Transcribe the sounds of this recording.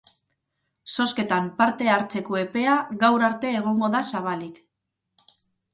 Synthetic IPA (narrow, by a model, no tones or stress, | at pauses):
so̞ske̞t̪ampaɾt̪e̞aɾt͡se̞koe̞pe̞aɣawɾaɾt̪e̞ːɣ̞o̞ŋɡo̞ðasaβ̞alik